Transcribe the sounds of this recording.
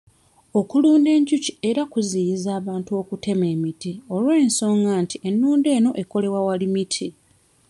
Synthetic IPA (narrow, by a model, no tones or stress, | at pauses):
o̞kuluːnde̞ːɲcucie̞ɾakuzijizaːβaːntuo̞kute̞me̞ːmitio̞lwe̞ːnso̞ːŋɡaːntiʔe̞nːuːnde̞ːno̞ʔe̞ko̞le̞wawalimitʰi